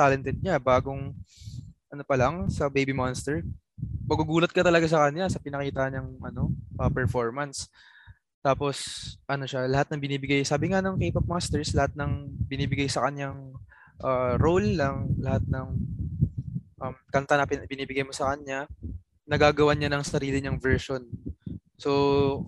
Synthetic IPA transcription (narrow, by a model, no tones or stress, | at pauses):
t̪aːlɛnt̪ɛd̪̚ɲabaːɡo̞ŋ | ʔɐno̞pɐlɐŋsɐbejbimanst̪ɛɹ | mɐɡuɡuːlɐt̪̚kɐt̪ɐlɐɡas̬ɐkɐnlasɐpɪnɐkiːt̪ahɲɐŋʔɐno̞ʔɐpɛɹfoɹmɐns | t̪aːpo̞sʔɐno̞ʃalɐhat̪̚nɐŋbɪniːbɪɡajsaːbɪŋanɐŋkiːpɐp̚mast̪ɛɹslɐhat̪̚nɐŋbɪniːbɪɡajsɐkɐɲjaŋ | ʔaɾowlnɐŋlɐhat̪̚nɐŋ | ʔɐmkɐnt̪anɐpɪbɪniːbɪɡajmo̞sɐkɐnɲa | nɐɡaːɡɐwaɲanɐŋsɐɾiːlɪɲɐŋvɛɹʃo̞n | so